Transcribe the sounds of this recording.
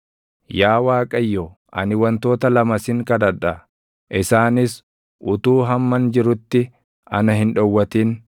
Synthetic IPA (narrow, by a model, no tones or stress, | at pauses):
jaːwaːkʼɐjːɔ | ʔɐ̰nɪwɐnt̪o̞ːt̪ɐlɐmɐsɪŋkɐd̪ɐᶑɐ | ʔɪsaːnɪs | ʔʊt̪uːɦɐmːɐnd͡ʒɪɾʊt̪ːɪ | ʔɐ̰nɐɦɪnᶑɔwːɐt̪iːn